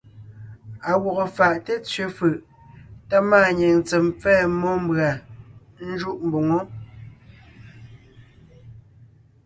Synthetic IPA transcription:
a˨wo˨ɣo˨fa˨ʔte˦t͡sɥe˨˦fɯ˨ʔ | ta˦maː˦˨ɲe˨n˨t͡sɛ˨mp͡fɛː˦˨mɔ˦m˦bɰa˨ | n̩˦d͡ʒu˦ʔm̩˨bo˨ŋo˦

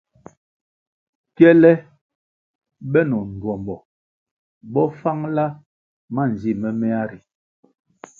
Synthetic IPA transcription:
kjɛ˦lɛ˦ | bɛ˦nɔ˨n˨dwɔ˨mbɔ˨ | bɔ˦fa˦ŋla˦ | ma˦˨n˨zi˦˨mɛ˦mɛ˦a˦ɾi˨

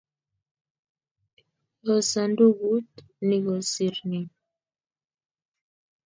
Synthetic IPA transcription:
ɣɔ˨sa˨ndu˦˨ɡu˦t | ni˨ɣɔ˨si˨ɾni˨

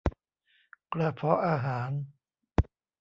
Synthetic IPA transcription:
kla˧pʰɔ˦ʔaː˧ɦaː˩˦n

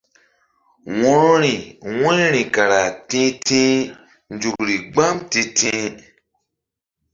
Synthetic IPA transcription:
wɔ̃˦ɾɔ̃˦ɾĩ˨wɛ̃˦nɾĩ˨ka˨ɾa˨tĩ˦tĩ˦ | n˦d͡ʒu˨kɾi˨ɡ͡ba˦mtĩ˧tʰĩ˦

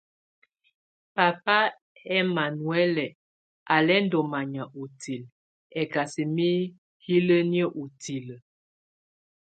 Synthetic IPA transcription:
pa˨pa˦ | ɛ˦ma˨nwɛ˦lɛ˨ | ʔa˨lɛ˦n̩˦dɔ˨ma˨ɲa˨ʔu˨ti˨l | ɛ˨ka˨si˨mi˦ | hi˦lə˦njə˦ʔu˨ti˨lə˨

